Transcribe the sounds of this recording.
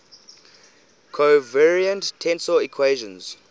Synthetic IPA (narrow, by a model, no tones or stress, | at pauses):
kʰovɛɹiə̃nttʰːɛ̃nsɔikʰweʒə̃nz̥